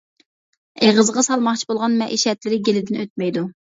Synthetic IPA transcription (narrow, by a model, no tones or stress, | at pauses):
eʁəzəʁɑsɑlˠmɑχt͡ʃʰi̥bolˠʁɑnmɛʔiʃɛt̪lɪɾɪɡʲelɪd̪ɪnøt̪̚mɛjd̪u